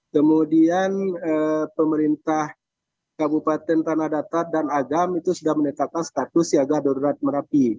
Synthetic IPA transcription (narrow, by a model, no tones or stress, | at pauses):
kəmudianəpəməɾint̪ah | kabupat̪ɛnt̪anahdat̪adanaɡamit̪usudahmənət̪ap̚kanst̪at̪usiaɡadoɾuɾat̪̚məɾapi